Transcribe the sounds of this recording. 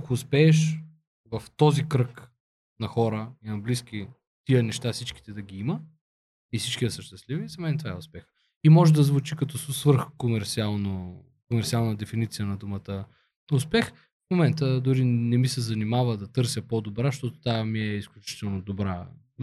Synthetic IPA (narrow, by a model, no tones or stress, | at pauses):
akoːspɛːʃ | vəft̪ɔzikɾɤk | nɐxɔɾəinɐblisk̟i | t̪iənɛʃt̪afsit͡ʃki̥t̪ɛd̪ɐɡʲiimə | ifsit͡ʃkiɛsəʃt̪ɛst̪livizɐmɛnt̪vaɛʊspɛx | imɔʒɛd̪ɐzvut͡ʃikɐt̪ɔssvəɾxkomɛɾt̪sialˠno | komɛɾt̪sʲialˠnəd̪ɛfinit̪sijənɐd̪umət̪ə | ʊspɛx | fmomɛnt̪əd̪ʊɾinɛmisɛzɐnimavəd̪ɐt̪ɤɾsjəpod̪obɾaʃt̪ɔt̪o̥t̪amiɛisklʲut͡ʃi̥t̪ɛlˠnod̪obɾa̰